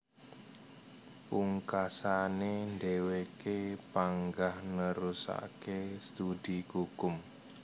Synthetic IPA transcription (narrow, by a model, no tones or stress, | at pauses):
puŋkasanendewekepaŋɡahnəɾusa̰kest̪udikukʊm